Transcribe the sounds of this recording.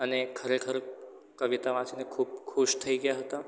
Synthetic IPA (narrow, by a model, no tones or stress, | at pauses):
ənekʰəɾekʰəɾ | kəʋit̪aʋãːt͡ʃinekʰuːb̚kʰʊʃt̪ʰɐiɡijaɦət̪a